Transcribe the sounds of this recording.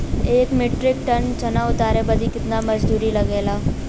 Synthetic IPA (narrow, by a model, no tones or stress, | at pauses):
eːkmeːʈɾɪk̚ʈɐnt͡ʃɐnaʊt̪aːɾebɐd̪ʱikɪt̪namɐd͡ʒd̪uːɾilɐɡeːlaː